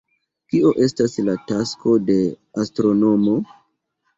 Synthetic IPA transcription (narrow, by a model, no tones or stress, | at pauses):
kioʔe̞staslatasko̞de̞ | astɾo̞no̞mo̞